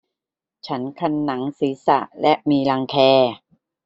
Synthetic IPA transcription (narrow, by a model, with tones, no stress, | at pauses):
t͡ɕʰa˦˥nkʰa˧nːa˩˦ŋsiː˩˦sa̰˨˩lɛ˦˥ʔmiː˧la˧ŋkʰɛː˧